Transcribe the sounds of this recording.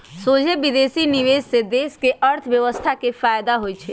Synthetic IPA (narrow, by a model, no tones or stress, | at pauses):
soːd͡ʒʱebid̪esiniʋed͡ʒsed̪eːskeəɾt̪ʰəʋjəʋəst̪ʰakefaːjd̪aɦojt͡ʃʰe